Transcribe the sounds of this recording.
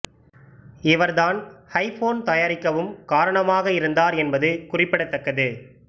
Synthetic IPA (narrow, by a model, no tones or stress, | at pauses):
ɪʋɐɾðaːnhɐɪfoːnt̪ɐjaːɾɪkːɐʋɯmkaːɾɐɳɐmaːɣɐɪɾɯnd̪aːɾɛnbɐðɯkʊrɪpːɪɽɐt̪ːɐkːɐðɯ